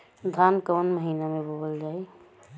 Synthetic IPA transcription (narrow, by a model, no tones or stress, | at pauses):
d̪ʱankəʋənməɦinamẽbobəld͡ʒaːe